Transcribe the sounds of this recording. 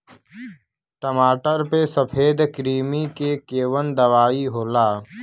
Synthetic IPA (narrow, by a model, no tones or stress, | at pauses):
ʈəmaːʈəɾpesəpʰeːd̪kɾiːmikekeːwənd̪ɐʋaːiɦoːlaː